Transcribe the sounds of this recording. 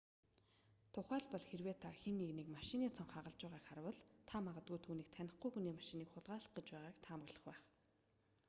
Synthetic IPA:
t̪ʰʊχæːɮpɔɮxerweːt̪ʰarxinːiɣnekmaʃɪ̆niːt͡sʰɔŋχaʁə̆ɮt͡ɕʊːʁaːkχaɾwə̆ɮt̪ʰamaʁə̆t̪̚ɡujt̪ʰuːniːk̚t̪ʰænʲɪ̆χɡujxuniːmaʃɪ̆niːkχʊɮʁaːɮə̥̆χ̚ɡə̆t͡ɕpæːʁaːkt̪ʰaːmə̆ɣɮə̆χpæːχ

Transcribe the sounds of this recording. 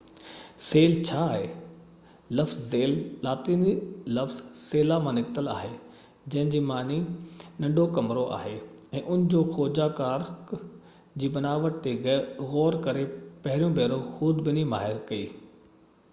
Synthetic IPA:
seːlt͡ɕʰaːɦeː | lɐfzzeːllaːt̪iːnilɐfz̥seːlamãnɪkt̪əla̰ːɦe | d͡ʑɐ̃ɦɪ̃ɲd͡ʑiːmaːninɐ̃ɳɖʱokɐmɾoʔa̰ːɦeɛ̃ːʔʊnɪd͡ʑoːxɔːd͡ʑakaːɾk | d͡ʑiːbɐnaːʋəʈ̚t̪ʰeɣɔːɾkɐɾepɐɦɪɾijõbɛːɾoxʊd̪bɪnimaːɦɪɾkɐiː

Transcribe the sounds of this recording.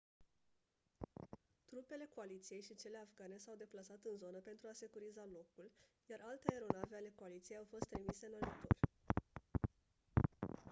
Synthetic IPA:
t̪ɾupe̞le̞ko̞alit̪sije̞jʃit͡ʃe̞le̞afɡane̞sawd̪e̞plasat̪ɨnzo̞nəpe̞nt̪ɾuase̞kuɾizalo̞kul | jaɾʔalt̪eaeɾo̞naveale̞koalit̪sijejawfo̞st̪ːɾimise̞ɨnaʒit̪o̞̰rʲ

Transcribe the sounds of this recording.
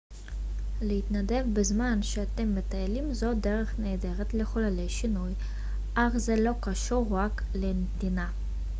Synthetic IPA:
leit̪nad̪e̞vbezmanʃeat̪emːet̪ajelimzo̞d̪eʁeχneːd̪eʁet̪leχolalejʃinuj | ʔaχzelo̞kaʃuɾːak | lenet̪ina

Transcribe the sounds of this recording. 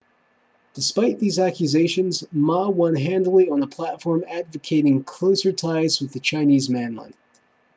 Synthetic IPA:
d̥ɨspaɪt̪̚ðizækjɨzeɪʃɨ̃nzmɑwʌ̃nɦæ̃ndˡl̩ˠiə̃nəpʰl̥ætfɔɹmædvɨkʰeɪɾɪ̃ŋkʰl̥oʊsə˞tʰaɪzwɨðɨt͡ʃʰãɪ̃nizmæ̃nlɪ̰̃n

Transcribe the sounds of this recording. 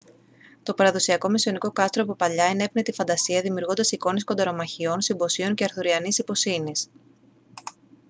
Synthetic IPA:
t̪o̞pɐɾɐðo̞siɐko̞misio̞niko̞kɐst̪ɾoɐpopɐʎɐene̞pnet̪ifɐnd̪ɐsiɐðimiuɾɣo̞nd̪ɐsiko̞niskod̪ɐɾo̞mɐçio̞nsimbo̞sio̞ɲce̞ɐɾθuɾiɐnisipo̞sinis

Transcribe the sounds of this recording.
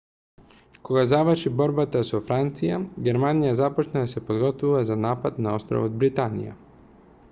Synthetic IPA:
koɡazavərɾʃibɔɾbat̪asofɾant̪sijaɡɛɾmanijazapɔt͡ʃnad̪asɛpod̪ɡɔt̪vuvazanapat̪naɔst̪ɾɔ̰vod̪̚bɾit̪anḭja̰

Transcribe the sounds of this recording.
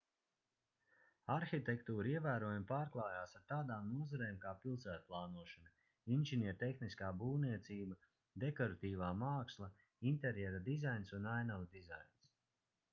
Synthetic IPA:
aɾxit̪ekt̪uːɾiɛvæːɾoɔjampaːɾklˠaːjaːsaɾt̪aːd̪aːmnuɔzaɾeːmkaːpilˠsæːt̪̚plˠaːnuɔʃanɐ | inʒiniɛɾt̪exniskaːbuːniɛt̪siːbɐ | d̪ekɔɾat̪iːvaːmaːkslˠɐ | int̪eɾjɛɾad̪izajnsunajnavd̪iza̰jns

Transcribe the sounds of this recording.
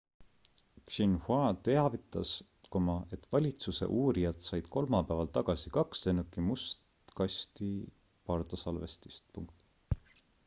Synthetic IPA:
kʃinhwɑt̪e̞ɑvit̪ːˑɑs | komɑe̞t̪ːˑvɑlʲit̪suse̞̰ʔuːɾijɑt̪sɑjd̪̥kʰo̞lmɑpævɑlt̪ɑɡ̥ɑsikɑkst̪enukːimust̪ | kɑst̪i | pɑrt̪ɑsɑlve̞̰st̪i̥st̪̚pṵŋk̚t̪

